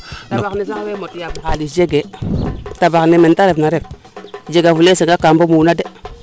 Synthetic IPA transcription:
tabaknes̬akwemotjabukalid͡ʒeɡe | tabaknementaɾefnaɾef | d͡ʒeɡavuleseŋɡakambomunade

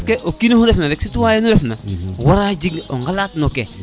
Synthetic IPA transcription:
skeʔokinohuɾefnaɾɛksituwaːjenuɾɛfnawaɾad͡ʒiɡoŋɡalatnoke

